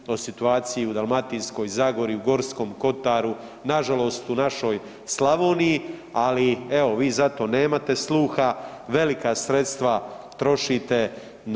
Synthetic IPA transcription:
o̞sit̪uaːt̪sijiud̪alˠmat̪insko̞jzaːɡo̞ɾiuɡo̞ɾsko̞mko̞t̪aɾu | naʒalo̞st̪unaʃo̞ːj | slaʋoːniji | alieo̞ʋiːzat̪o̞ne̞ːmat̪e̞slˠuːxaʋe̞likasɾe̞t̪st̪ʋat̪ɾo̞ʃit̪e̞ | n

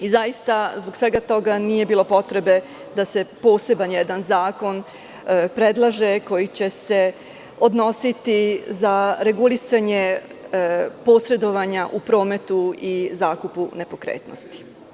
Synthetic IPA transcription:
izajist̪azboɡsʋe̞ɡat̪o̞ɡanije̞biːlˠo̞po̞t̪ɾe̞be̞ | d̪ase̞po̞ːse̞banjed̪anzaːko̞n | pɾe̞d̪lˠaʒe̞ko̞jit͡ɕe̞se̞ | od̪no̞sit̪izaɾe̞ɡulisaɲe | po̞ːsɾe̞d̪o̞ʋaɲaʔupɾo̞ːme̞t̪uizaːkupune̞po̞kɾḛːt̪no̰st̪i̥

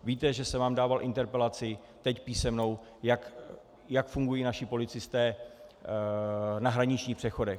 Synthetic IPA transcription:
viːt̪ɛʒɛsɛvaːmdaːvalʔɪnt̪ɛɾpɛlat͡sɪ | t̪ɛcpiːsɛmno̞w | jak | jakfuŋɡujiːnaʃɪpo̞lɪt͡sɪst̪ɛː | naɦɾaɲɪt͡ʃɲiːxpr̥ɛxo̞dɛx

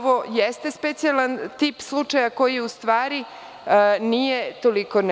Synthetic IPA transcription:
ʋojest̪espet̪sijalant̪iːpslˠut͡ʂajako̞jijeust̪ʋaːɾi | nijet̪oliko̞n

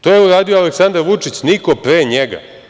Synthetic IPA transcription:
t̪oːjeuɾaːd̪ijoaleksand̪aɾʋut͡ʂit͡ɕniko̞pɾeɲeɡa̰

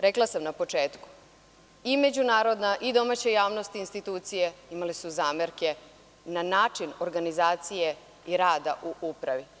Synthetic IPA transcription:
ɾeklasamnapo̞t͡ʂeːt̪ku̥ | ime̞d͡ʑunaːɾo̞d̪naʔid̪o̞maːt͡ɕejaːʋno̞st̪inst̪it̪uːt̪sijeimalesuzaːmeɾke̞ | nanaːt͡ʂinoɾɡanizaːt̪sije̞ | iɾaːd̪aʔuʔupɾaʋi

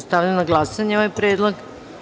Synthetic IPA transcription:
st̪aʋʎanaɡlˠasaɲeoʋajpɾeːd̪lˠoɡ

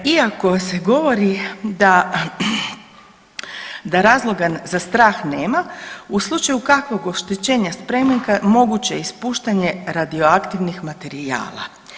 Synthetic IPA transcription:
iako̞se̞ɡo̞ʋo̞ɾid̪a | d̪aɾaːzlˠo̞ɡazast̪ɾaːxne̞ːmauslˠut͡ʃajukakʋo̞ɡo̞ʃt̪et͡ɕe̞ːɲaspɾe̞meŋkamo̞ɡut͡ɕeispuːʃt̪aɲe̞ɾad̪io̞akt̪iʋnixmat̪e̞ɾia̰ːlˠa̰

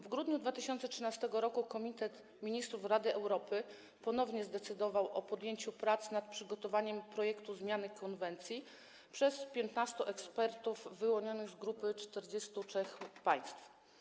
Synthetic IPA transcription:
vɡɾud̪ɲud̪vat̪ɘɕɔnt̪sɛtʂɘnast̪ɛɡɔɾɔkukɔmʲit̪ɛt̪ | mʲiɲist̪ɾufɾad̪ɘʔɛwɾɔpɘ | pɔnɔvɲɛzd̪ɛt̪sɘd̪ɔvawʔɔpɔd̪jeɲt͡ɕupɾat̪snat̪̚pʂɘɡɔt̪ɔvaɲɛmpɾɔjɛkt̪uzmʲjanɘkʰɔnvɛnt̪sʲji | pʂɛspʲjɛnt̪nast̪ɔʔɛkspɛɾt̪uvːɘwɔɲɔnɘɣzɡɾupɘt͡ʂt̪ɛɾd͡ʑest̪uɛxpaj̃st̪f

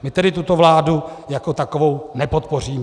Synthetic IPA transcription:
mɪt̪ɛdɪt̪ut̪o̞vlaːdujako̞t̪ako̞vo̞wnɛpo̞t̪po̞r̝iːm

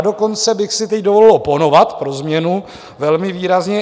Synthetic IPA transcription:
do̞ko̞nt͡sɛbɪxsɪt̪ɛcdovo̞lɪlʔoponovat̪pɾo̞zmɲɛnu | vɛlmɪviːɾazɲɛ

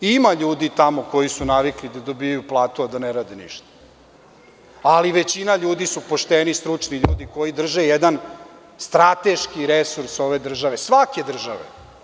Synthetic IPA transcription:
imaʎuːd̪it̪amoko̞jisunaʋiklid̪ad̪o̞bijajuplˠaːt̪uad̪aneɾaːd̪enḭʃt̪ḁ | aliʋet͡ɕinaʎuːd̪isupo̞ʃt̪enist̪ɾut͡ʂniʎṵːd̪iko̞jid̪r̩ʒejed̪an | st̪ɾat̪eʃkiɾesuɾso̞ʋe̞d̪r̩ʒaʋesʋake̞d̪r̩ʒaʋḛ

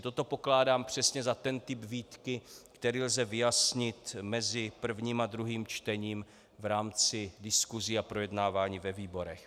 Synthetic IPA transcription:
t̪o̞t̪o̞po̞klaːdaːmpr̝̥ɛsɲɛzat̪ɛnt̪ɪbviːt̪kɪkt̪ɛɾiːlzɛvɪjasɲɪt̪mɛzɪpr̩vɲiːmad̪ɾuɦiːmt͡ʃt̪ɛɲiːm | vɾaːmt͡sɪdɪskuziapɾo̞jɛdnaːvaːɲiːvɛviːbo̞ɾɛx

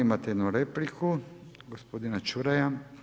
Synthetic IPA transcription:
imat̪eɛd̪nuɾeplikʰuɡospod̪inat͡ʃuɾaja

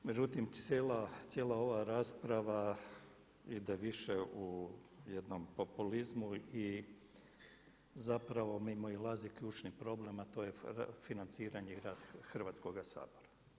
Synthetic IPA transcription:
med͡ʒut̪imelat̪sʲjeːlao̞ʋaɾaːspɾaʋa | id̪eʋiʃeujed̪no̞mpo̞pulizmui | zapɾaʋo̞mimoilˠazikʎuːt͡ʃnipɾo̞ble̞mat̪o̞je̞̰finant̪siːɾaɲeɡɾaːd̪̥xr̩ʋat̪sko̞ɡasa̰ːboɾa

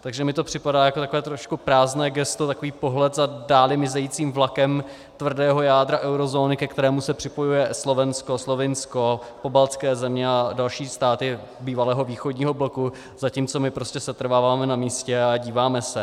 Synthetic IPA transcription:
t̪aɡʒɛmɪt̪o̞pr̝̥ɪpadaːjakot̪akovɛːt̪ɾo̞ʃkupɾaːznɛːɡɛst̪ot̪akoviːpoɦlɛt̪zadaːlɪmɪzɛjiːt͡siːmvlakɛm | t̪vr̩dɛːɦo̞jaːd̪ɾaʔɛwɾo̞zo̞ːnɪkɛkt̪ɛɾɛːmusɛpr̝̥ɪpo̞jujɛslo̞vɛnsko̞slo̞vɪnsko̞po̞balt͡skɛːzɛmɲɛadalʃiːst̪aːt̪ɪ | biːvalɛːɦo̞viːxodɲiːɦo̞bloku | zaciːmt͡so̞mɪpɾo̞scɛsɛt̪ɾ̩vaːvaːmɛnamiːscɛaɟiːvaːmɛsɛ

